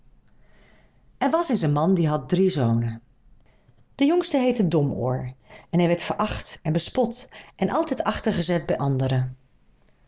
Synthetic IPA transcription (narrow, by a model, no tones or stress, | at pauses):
ɛɹʋɑsɪnzənmɑndiɦɑt̚drizownə | d̥əjɔŋstəɦejtədɔmo̰ːɹɛnɦɛjʋɛɹtfəɹʔɑχtɛnbəspɔtʔɛnʔɑlˠtɛjtɑχtəɹχəzɛt̚bɛjʔɑndəɾə